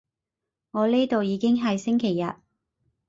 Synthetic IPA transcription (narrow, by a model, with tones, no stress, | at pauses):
ŋɔː˨˧liː˥t̪o˨wjiː˨˧kɪ˥ŋɦɐ˨jsɪ˥ŋkʰe˨˩jːɐ̰˨t̚